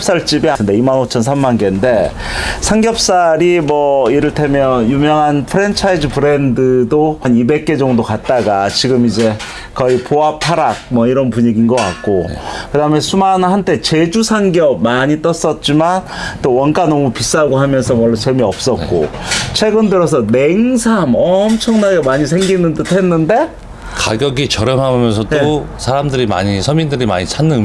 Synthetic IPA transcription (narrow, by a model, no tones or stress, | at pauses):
p̚s͈aɭt͡ɕ͈ibiaɯnde̞imanot͡ɕʰʌns̬ʰamːanɡende̞ | sʰaŋɡjʌp̚s͈aɾimwʌiɾɯɭtʰemjʌnjumjʌŋɦanpʰɯɾent͡ɕʰaid͡ʑipɯɾe̞ndɯdoɸanibe̞k̚k͈e̞d͡ʑʌŋdokat̚t͈aɡat͡ɕiɡɯmid͡ʑe̞ | kʌipoap̚tʰaɾak̚mwʌiɾʌnpuɲiɡinɡʌk͈a̰t̚k͈okɯdaɯmesʰumanhantʰe̞t͡ɕe̞d͡ʑusʰaŋɡijʌmaɲit͈ʌs͈ʌt̚t͡ɕ͈iman | t͈owʌnk͈anʌmupis͈aɡoɦamjʌnsʰʌwʌɭːosʰʌɭmiʌp̚s͈ʌkk͈o̰t͡ɕʰwe̞ɡɯndɯɾosʰʌneŋsʰamʌmt͡ɕʰʌŋnaɡemaɲis̬ʰe̞ŋɡinɯntɯtʰenːɯnde̞ | kaɡjʌɡit͡ɕʌɾjʌmɦamjʌnsʰʌt͈o | sʰaɾamdɯɾima̰ɲisʰʌmindɯɾima̰ɲisʰanːɯn